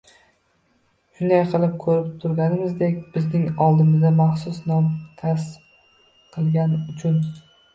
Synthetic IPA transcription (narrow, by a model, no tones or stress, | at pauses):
ʃʊnd̪ajqʰɨlˠɪp̚kʰɵɾɪpt̪ʰʊɾɡʲanɪmɪzd̪ekʲb̥ɪznɪŋɒlˠd̪ɪmɪzd̪amɑχsʊsnɒmt̪ʰas | qʰɨlˠɡʲanʊt͡ʃʰʊn